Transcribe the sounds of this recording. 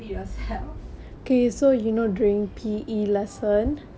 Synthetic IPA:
sɛl | okesojunoduĩŋpʰiʔilɛsə̃n

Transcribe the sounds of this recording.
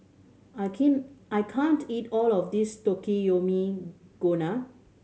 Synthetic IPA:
akʰɛ̃najkʰãntʰitɔlɔfdistokijomiɡ̥ona

